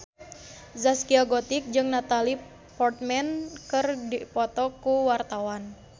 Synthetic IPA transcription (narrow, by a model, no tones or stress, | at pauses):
zaskiaɡɔt̪ik̚d͡ʒɨŋnat̪ali | pɔrt̪̚mɛnkɨrdipɔt̪ɔkuwart̪awan